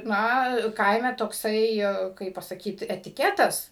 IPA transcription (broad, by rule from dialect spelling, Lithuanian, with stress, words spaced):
ˈnɐ ˈkɐɪmʲɛ toːkˈsɐɪ ˈkɐɪp pɐsɐˈkʲiːt ɛtʲɪˈkʲæːtɐs